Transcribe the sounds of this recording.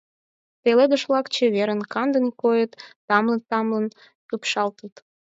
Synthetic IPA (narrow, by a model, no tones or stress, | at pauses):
t̪eled̪ə̆ʃβlɑkt͡ɕeβeɾənkɑnd̪ə̆nkojət̪ː | ɑmlənt̪ɑmlən | pupʃɑlt̪ət̪